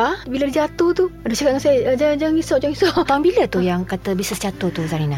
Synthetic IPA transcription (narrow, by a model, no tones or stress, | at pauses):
ahbilədid͡ʒat̪uht̪uadosakat̪̚ŋansajd͡ʒad͡ʒaŋisɔʔd͡ʒaŋisɔʔt̪ambilət̪ujaŋkat̪əbisəst͡ʃat̪ut̪uzaɾina